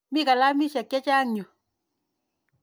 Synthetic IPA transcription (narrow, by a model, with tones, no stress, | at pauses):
mi˦ka˨la˦mi˦ʃa˨kja˦t͡ʃa˦ŋɲo˨